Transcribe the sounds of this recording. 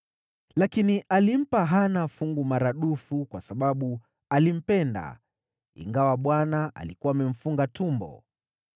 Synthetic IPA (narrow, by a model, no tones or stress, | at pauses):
lakiniʔalim̩paɦanafuŋɡumaɾaɗufukwasaɓaɓu | alim̩pɛnda̰ | ḭŋɡawaɓwanaʔa̰likuwaːmɛm̩fuŋɡatumbɔ̰